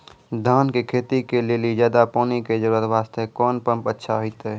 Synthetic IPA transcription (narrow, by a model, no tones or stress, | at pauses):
d̪ʱaːnkekʰeːt̪ikeleːlid͡ʒjaːd̪apoːniked͡ʒəɾuːɾət̪ʋaːst̪ekɔːnpə̃mpətːʃʰaɦoit̪ɛ